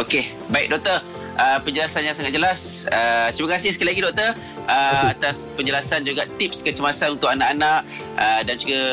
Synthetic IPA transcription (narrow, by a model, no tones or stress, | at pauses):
oke | baɪk̚dɔʔ̚t̪ər | ʔəpəɲd͡ʒəlasanɲjãsaŋat̪̚d͡ʒəlasət̪imakasɪhsəkajlaɡidɔk̚t̪ər | əat̪aspəɲd͡ʒəlasand͡ʒuɡaʔt̪ip̚skət͡ʃəmasanunt̪ʊʔanaʔanãʔ | ədand͡ʒuɡa